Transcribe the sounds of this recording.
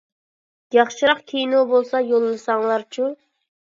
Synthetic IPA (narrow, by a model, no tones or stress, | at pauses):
jɑχʃɨɾɑχkʲʰejnobolˠsɑjolˠːlˠɨsɑŋlˠɑɾt͡ʃʰu